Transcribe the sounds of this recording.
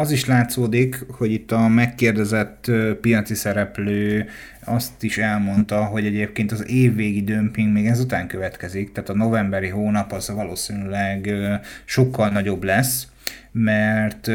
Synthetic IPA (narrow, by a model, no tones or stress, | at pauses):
ɒziʃlaːt̪soːd̪ikho̞ɟit̪ːɒmɛkːeːrd̪ɛzɛt̪ːpijɒt̪sisɛɾɛpløː | ɒst̪iʃɛlmo̞nt̪ɒɦo̞ɟɛɟeːp̚keːnt̪ɒzeːvːeːɡid̪ømpiŋɡmeːɡɛzut̪aːŋkøvɛt̪kɛzikt̪ɛːt̪ɒno̞vɛmbɛɾiɦoːnɒpozvɒloːsinylɛɡʃo̞kʰːɒlnɒɟo̞blɛs | mɛrt̪